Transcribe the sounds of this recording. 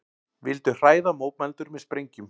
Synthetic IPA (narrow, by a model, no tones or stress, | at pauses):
vɪlt̪ʏr̥aːjðamoːwt̪̚mɛlt̪ʏɾmɛðspɾejɲcʏm